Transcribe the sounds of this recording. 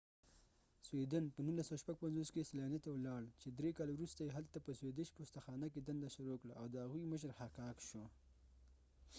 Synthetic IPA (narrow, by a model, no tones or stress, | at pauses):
swed̪anpənunlasəwaʃpaɡ̚panzoskesalɑnet̪awlɑɽt͡ʃed̪ɾekɑlewɾust̪ajeɦalt̪apəswed̪eʃpost̪axɑːnak̬ed̪and̪aʃʊɾokɽaːwd̪əhaɣujməʃ̬əɾhakɑːkʃo